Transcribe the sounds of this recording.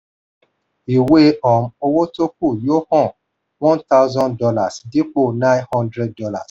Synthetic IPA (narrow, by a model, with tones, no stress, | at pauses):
i˨we˦ɔ˨m̩̃˦o˧wo˦to˦k̚u˦˨jo˦hɔ̃˦˨ | wɔ̃˦nta˦ʊ˦zɔ̃˦ndɔ˧la˦˨sdi˦k͡po˦˨nã˦nhɔ̃˦ndɾɛ˦d̚dɔ˧˦la̰˨s